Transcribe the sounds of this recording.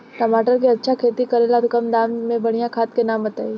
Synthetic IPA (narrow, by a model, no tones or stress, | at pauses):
ʈɐmaːʈəɾkiɐtːʃʰakʰeːt̪ikɐɾelat̪okɐmd̪aːmmẽbɐɽ̤ijãkʰaːt̪̚kenaːmɐt̪aːi